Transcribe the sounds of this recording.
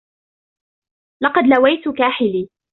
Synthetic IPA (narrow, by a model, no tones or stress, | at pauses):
lɑqɑd̪lawajt̪ʊkaːħɪliː